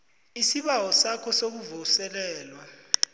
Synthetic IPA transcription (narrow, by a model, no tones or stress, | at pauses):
isiɓawɔsakʰɔsok̬uvɔsɛlɛːlwa